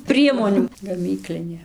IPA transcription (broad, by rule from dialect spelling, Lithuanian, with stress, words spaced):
ˈpʲrʲiɛmoːnʲuː ɡɐˈmʲiːklʲɪnʲeː